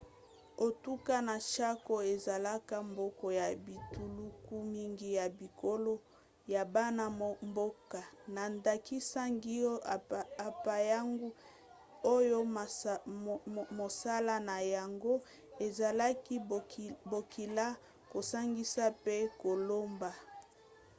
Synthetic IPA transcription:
o˨tu˦ka˦na˨ʃa˦ko˨e˨za˨la˦ka˦mbo˦kɔ˨ja˨bi˨tu˨lu˦ku˦mi˦ŋɡi˦ja˨bi˨kʰo˦lo˦ | ja˨ba˦na˦mbo˦ka˨na˨nda˨ki˦sa˦ŋɡi˦˨a˨pa˨ja˦ŋɡu˦ | o˦jo˦˨ | mo˨sa˦la˦na˨ja˨ŋɡo˦ | e˨za˨la˦ki˦˨bo˨ki˨la˦ | ko˨sa˦ŋɡi˦sa˦pe˦ko˨lo˦mba˨

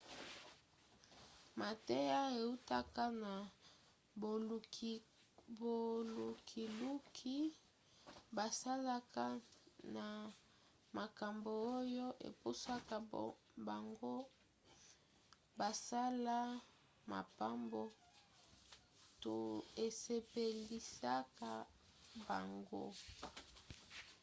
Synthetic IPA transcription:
ma˨te˦ja˦e˨u˦ta˦ka˦na˨ | bo˨lu˨kʰi˨lu˦kʰi˦ | ba˨sa˦la˦kʰa˦na˨ | ma˨ka˨mbo˨o˦jo˦ʔḛ˨pu˦sa˦ka˦ | ba˨ŋɡo˦ | ba˨sa˦la˦ | ma̰˨pa˦mbo˦ | to˨e˨se˨pe˨li˨sa˦ka˦ | ba˨ŋɡo̰˦

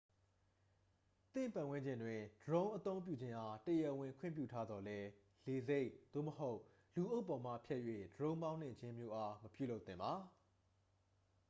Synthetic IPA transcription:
t̪ɪ̰̃˦˨mpã˨wɪ̃˦ɲd͡ʑɪ̃˨ndwɪ̃˨dəɹõ˦ʊ̃ʔət̪õ˦ʊ̃mp̬jṵ˦˨d͡ʑɪ̃˦ʔa˦təjɛ˨wɪ̃˨ŋkʰwɪ̰̃˦˨mp̬jṵ˦˨tʰa˦d̪ɔ˨lɛ˦ | le˨ze˦ɪʔd̪̥o̰˦˨məɦo˦ʊʔ | lu˨ʔo˦ʊpːɔ˨m̥a̰˦˨pʰjɛ˦ʔjwḛ˦˨dəɹõ˦ʊ̃mbã˦ʊ̃n̥ɪ̰̃˦˨d͡ʑɪ̃˦mjo˦ʔa˦məpjṵ˦˨lo˦ʊt̪ɪ̰̃˦˨mba˨

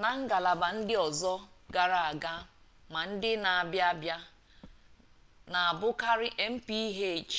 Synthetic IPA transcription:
na˨ŋ̩˦ɡa˨la˨ba˨n̩˦dɪ˦ɔ˨zɔ˦ɡa˨ɾa˦˨a˨ɡa˦ | ma˨n̩˦dɪ˦na˨a˨bja˦bja˦ | na˨a˨bʊ˦ka˦ɾɪ˦ʔe˦m̩˦pi˦i˦ɦe˦˨t͡ʃ

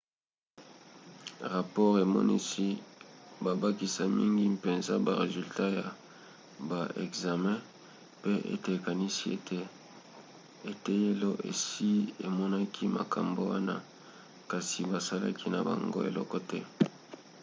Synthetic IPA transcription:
ʁa˨pɔ˦ʁe˨mɔ̰˦nḭ˦si˦ba˨ba˦ki˦sa˦mi˦ŋɡi˦pe˨nza̰˦ba˨ʁe˨zy˨lta˦ja˨ | ba˨ḛ˨kza˨mɛ̃˦ | pe˦ḛ˦te˨e˨ka˨ni˦si˦e˦te˦ | e˨te˦je˦lo˦ʔḛ˨si˦e˨mɔ˦na˦kʰi˦ma̰˨kʰa˨mbo˨˦wa˦na̰˦ | ka˨si˨ba˨sa˦la̰˦kʰi˦na˨ba̰˨ŋɡo̰˦ḛ˨lɔ̰˦kɔ˦tɛ˦

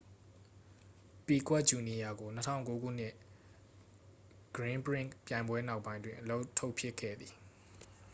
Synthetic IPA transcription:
pi˨kwɛ˦ʔ̚t͡ɕu˨ni˨ja˨ɡo˨nətʰã̰˦˨ʊ̃ŋko˦ɡṵ˦˨n̥ɪ˦ʔ | ɡ̥əɹɪ̃˦mpəɹɪ̃˦˨ʔpjã˨ɪ̃mbwɛ˦na˦ʊʔpːã˦ɪ̃ndwɪ̃˨ʔəlo˦ʊʔtʰːo˦ʊʔpʰjɪ˦kʰːɛ̰˦˨d̪ði˨

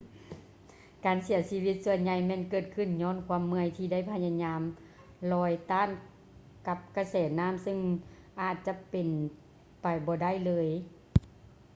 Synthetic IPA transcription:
kaː˨˩nsi˨˩˦ɐsiː˧wi˧˦t̪̚su˧˩ənɲa˧jmɛː˧˨nkɤː˧˩t̪̚kʰɯ˧˩nɲɔː˧˥˨nkʰwu˧əmːɯ˧ə˨jt̪ʰiː˧da˥˨jpʰa˧ɲa˧ɲaː˧˥m | lɔː˧˥jt̪aː˧˥˨n | ka˧p̚ka˧˩sɛː˨˩t̪̚naː˧˥˨msɯ˧˨ŋ | ʔaː˨˧˩t̪̚t͡ɕa˧˦pe˨˩n | pa˨˩jbɔː˧˦da˥˩˨jlɤː˧˥j

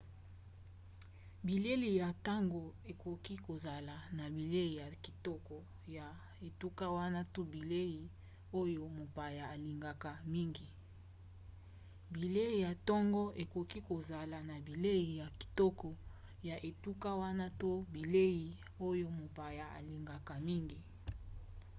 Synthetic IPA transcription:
bi˨le˦li˨ja˨ta˦ŋɡo˨e˨ko˨ki˦ko˨za˨la˨na˨bi˨le˦ji˨ja˨ki̥˨tɔ˦kɔ˨ | ja˨ | e˨tu˦ka˦wa˦na˦to˦bi˨le˦ji˨ | o˦jo˦mo˨pa˨ja˨a˨li˨ŋɡa˨ka˨mi˦ŋɡi˨ | bi˨le˦i˨ja˨tɔ˦ŋɡɔ˦ʔe˨ko˨ki˦ko˨za˨la˨na˨bi˨le˦i˨ja˨ki̥˨tɔ˦kɔ˨ | ja˨ʔe˨tu˦ka˦wa˦na˦to˦bi˨le˦ji˨ | o˦jo˦mo˨pa˨ja˨a̰˨li˨ŋɡa˨ka˨mi˦ŋɡi˨

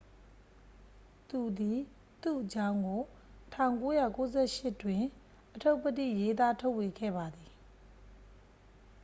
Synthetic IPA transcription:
t̪u˨d̪i˨ | t̪ṵ˦˨ʔət͡ɕã˦ʊ̃ŋɡo˨ | tʰã˦˨ŋko˦jä̰˦˨ko˨˦zɛ˦ʃɪ˦˨twɪ̃˨ | ʔətʰo˦ʊpətḭ˦˨je˦t̪a˦tʰo˦ʊʔwe˨ɡɛ̰˦˨ba˨d̪i˨

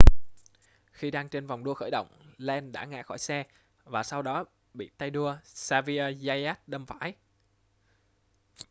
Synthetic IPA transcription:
xi˧ɗaː˧ŋt͡ɕe˧nva˨˩wŋ͡mɗu˧əxəː˧˩jɗə̰˧˨wŋ͡mlɛ˧nɗa̰ː˧˥ŋa̰ː˧˥xɔ˧˩jsɛ˧ | vaː˨˩sa˧wɗɔ˨˦ | ɓḭ˧˨t̪a˧jɗu˧əsaː˧vi˧ə˧za˧jaː˦˥t̚ɗə˧mfa̰ː˧˥j

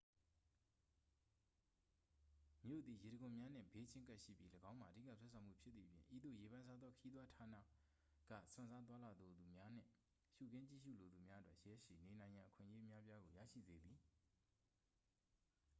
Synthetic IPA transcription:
mjo̰˦˨d̪ði˨je˨ɾə˨ɡʊ̃˨mja˦n̥ɪ̰̃˦˨be˦t͡ɕʰɪ̃˦ŋka˦ʔʃḭ˦˨pji˦ləɡã˦ʊ̃ma˨ədḭ˦˨ka̰˦˨swɛ̰˦˨sʰã˨mṵ˦˨pʰjɪ˦t̪ði˨pʰjɪ̰̃˨ʔḭ˦˨d̪o̰˦˨je˨βã˦sʰa˦d̪ðɔ˦kʰəji˦t̪wa˦tʰa˨na̰˦˨ | ɡ̥ä̰˦˨sʊ̰̃˨nza˦t̪̬wa˦la˨d̪o˨d̪u˨mja˦n̥ɪ̰̃˦˨ | ʃṵ˨ɡɪ̃˦t͡ɕḭ˦˨ʃṵ˦˨lo˨d̪u˨mja˦ə˦twɛ˦ʔjɛ˦ʃḭ˦˨ne˨nã˨ɪ̃jã˨ʔəkʰɪ̰̃˦˨ʔje˦ʔəmja˦pja˦ɡo˨ja̰˦˨ʃḭ˦˨zḛ˦d̪i˨

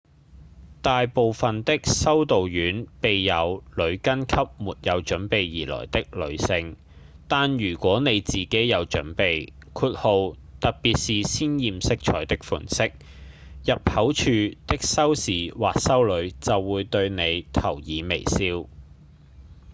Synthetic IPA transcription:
t̪aː˨jpo˨wfɐ˨nt̪ɪ˥k̚sɐ˥wt̪o˨wjyː˨˥npe˨jːɐ˨˧wlɵ˨˧ɥkɐ˥nkʰɐ˥p̚muː˨t̚jɐ˨˧wt͡ʃɵ˨˥npe˨jjiː˨˩lɔ̰ː˨˩jt̪ɪ˥k̚lɵ̰˨˧ɥsɪ˧ŋ | t̪aː˨njyː˨˩kʷɔː˨˥ne˨˧jt͡siː˨ke˨˥jjɐ˨˧wt͡ʃɵ̰˨˥npe˨j | kʰuː˧t̚ho˨˧w | t̪ɐ˨k̚pi˨t̚siː˨siː˥njiː˨msɪ˥k̚t͡ʃʰɔː˨˥jt̪ɪ˥k̚fṵː˨˩nsɪ˥k̚ | jɐ˨p̚hɐ˨˥wt͡ʃʰyː˨˧t̪ɪ˥k̚sɐ˥wsiː˨waː˨k̚sɐ˥wlɵ˨˧˥ɥt͡sɐ˨wːuː˨˧jt̪ɵ˧ɥne˨˧jt̪ʰɐ˨˩wjiː˨˧me˨˩jsiː˥w

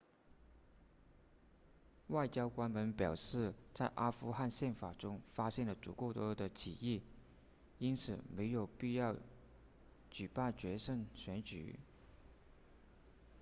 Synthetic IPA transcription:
wa˥˩ɪt͡ɕjɑ˥ʊkwa˥nwə˧˥npjɑ˨˩ʊʂɻ̩˥˧t͡sa˥˩ɪʔa˥fu˥xa˥˧nɕjɛ˥˩nfa˨˩ʈ͡ʂʊ˥ŋfa˥ɕjɛ˥˩nlə˩t͡su˨˧˩ko˥˩ʊt̪wɔ˥d̪ə˨t͡ɕʰḭ˨˩i˥˩ | i˥nt͡sʰɹ̩˨˩me˧˥ɪjo˨˩ʊpi˥˧jɑ˥˩ʊ | t͡ɕy˨˩pa˥˩nt͡ɕɥɛ˧˥ʂə˥˩ŋɕɥɛ˧˥nt͡ɕy̰˨˩˦

